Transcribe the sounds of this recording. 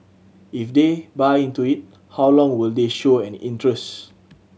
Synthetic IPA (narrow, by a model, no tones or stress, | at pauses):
ifdebaɪĩntuit̚ | hawlɔ̃ŋwildeʃoɛ̃nḭ̃ntɹɛs